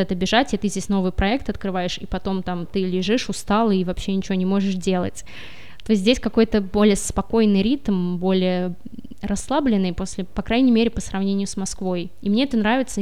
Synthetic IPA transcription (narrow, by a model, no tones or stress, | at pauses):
ɛt̪əbʲɪʐatʲɪt̪ɨzʲdʲesʲno̞vɨjpɾɐɛk̚t̪ɐt̪kɾɨvajɪʂipɐt̪o̞mt̪amt̪ɨlʲɪʐɨʂʊst̪alˠɨivɐpɕːenʲɪt͡ɕɪvʲonʲɪmo̞ʐɨʂdʲelˠə̰tʲ | t̪o̞jsʲt̪̬ʲzʲdʲesʲkɐko̞jt̪əbo̞lʲɪjəspɐko̞jnɨjɾʲit̪mbo̞lʲɪjə | rɐsːlˠablʲɪnːɨjpo̞sʲlʲɪpɐkɾajnʲɪjmʲeɾʲɪpəsɾɐvnʲenʲɪjʊsmɐskvo̞j | imnʲe̞ɛt̪ənɾavʲɪt̪sə